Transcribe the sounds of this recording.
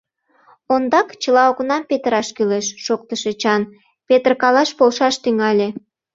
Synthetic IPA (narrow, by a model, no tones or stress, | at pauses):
ond̪ɑkt͡ɕəlɑoknɑmpet̪əɾɑʃkyleʃːok̚t̪əʃet͡ɕɑn | pet̪ərkɑlɑʃpolʃɑʃt̪yŋɑlʲe